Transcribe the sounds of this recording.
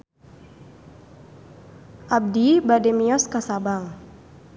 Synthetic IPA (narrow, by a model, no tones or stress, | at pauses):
ʔab̚dibadɛmiɔskasabaŋ